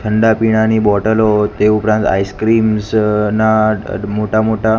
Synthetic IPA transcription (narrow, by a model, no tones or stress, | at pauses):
tʰəɳɖapiɽ̃anibɔʈəlɦɔt̪eupɾãnt̪a̰jskɾimsnamoʈʰamoʈa